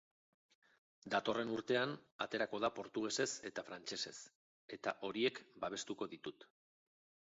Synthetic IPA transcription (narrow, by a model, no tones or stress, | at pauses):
d̪at̪o̞re̞nuɾt̪e̞anat̪e̞ɾako̞ðapo̞ɾt̪uɣ̞e̞se̞se̞t̪afɾant͡ʃe̞se̞s | e̞t̪a̰ʔo̞ɾie̞kbaβ̞e̞st̪uko̞ðit̪ut̪